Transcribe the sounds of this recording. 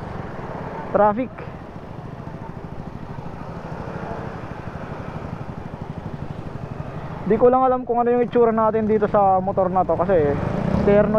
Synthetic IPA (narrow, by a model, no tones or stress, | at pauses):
t̪ɾafɪk | d̪ikulaŋalamkʊŋɐnojʊŋɪt͡ʃːuːɾanaːt̪ɪnd̪iːt̪osɐmot̪ornat̪okɐsɛt̪ɛɾno